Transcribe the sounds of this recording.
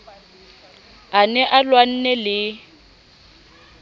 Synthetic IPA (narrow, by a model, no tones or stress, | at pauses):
anɛʔalwan̩nɛlɪ